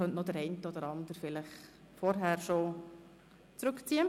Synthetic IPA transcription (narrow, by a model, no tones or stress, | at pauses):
œntnɔd̪əɾɛɪntəɔd̪əɾɑnd̪əɾfɪləχ | fɔɾɦæːɾʃo | t͡sɾɵkt͡siːə